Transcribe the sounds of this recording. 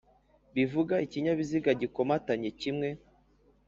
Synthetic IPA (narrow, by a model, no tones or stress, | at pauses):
βivuɡaiciɲaβiziɡaɟiko̞mataɲecimŋe̞